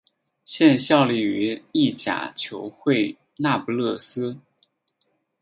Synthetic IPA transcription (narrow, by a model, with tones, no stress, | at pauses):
ɕjɛ˥˧nɕjɑ˥˧ʊli˥˩y˧˥i˥˩t͡ɕja̰˨˩t͡ɕʰjo˧˥ʊxwe˥˩ɪ | na˥˩pu˧lɤ˥˩sɹ̩˥